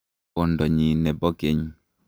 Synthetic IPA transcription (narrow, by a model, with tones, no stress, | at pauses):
ɔ˨ndɔ˨ɲi˨nɛ˨bɔ˦ke˦ɲ